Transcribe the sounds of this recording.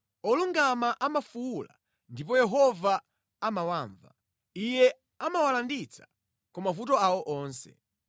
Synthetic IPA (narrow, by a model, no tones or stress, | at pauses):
ɔluŋɡamaʔamafuwula̰ | ndip̬ɔjɛɦɔva | amawaːɱva̰ | ijɛ | amawalandit͡sʰḁ | kɔmafutɔawɔʔɔːnsɛ̰